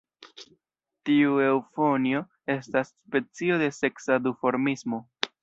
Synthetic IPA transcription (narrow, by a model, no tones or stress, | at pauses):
tiue̞wfo̞nio̞ | e̞stasːpe̞t͡sio̞de̞se̞ksadufo̞ɾmismo̞